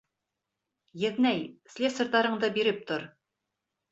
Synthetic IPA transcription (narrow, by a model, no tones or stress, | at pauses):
jɘ̆ðnæjslʲesŏɾd̪ɑɾɤ̆ɴd̪ɤbiɾɘp̚t̪oɾ